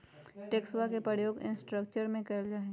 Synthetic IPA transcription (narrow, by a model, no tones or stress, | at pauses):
ʈeːkswakepɾəjoːɡɪ̰̃nsʈɾək̚t͡ʃəɾmẽkɐld͡ʒaːɦẽ